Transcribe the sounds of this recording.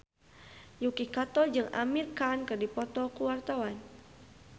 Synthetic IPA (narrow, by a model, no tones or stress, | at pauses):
jukikat̪ɔd͡ʒɨŋa̰mirkankɨrdipɔt̪ɔkuwart̪awan